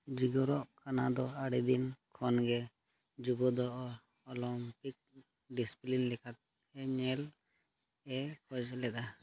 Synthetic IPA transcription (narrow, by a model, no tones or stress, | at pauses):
d͡ʒiɡɔɾɔʔkanad̪ɔaɽid̪inkʰɔnɡɛ | d͡ʒuɡɔd̪ɔʔ | ɔlɔmpik̚ | ɖisi̥plinlikʰat̪̚ | ɛɲɛl | ɛkʰɔd͡ʒlɛd̪a